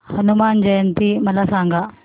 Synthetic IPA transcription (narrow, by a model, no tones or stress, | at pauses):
hɐnumaːnd͡ʒɐjɐnt̪imɐlɐsaːŋɡɐ